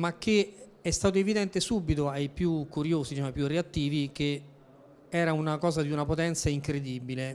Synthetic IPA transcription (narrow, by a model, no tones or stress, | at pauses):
mak̟ːe | ɛst̪aːt̪oevid̪ɛnt̪esubːit̪oajpjukːuɾjoːzit͡ʃɛmapjureat̪ːiːvik̟e | ɛːɾaunakɔːzad̪iunapot̪ɛnt̪saiŋkɾed̪iːbile